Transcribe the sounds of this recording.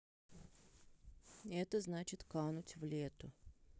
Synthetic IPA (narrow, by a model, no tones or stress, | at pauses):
ɛt̪əznat͡ɕɪt̪kanʊtʲvlʲet̪ʊ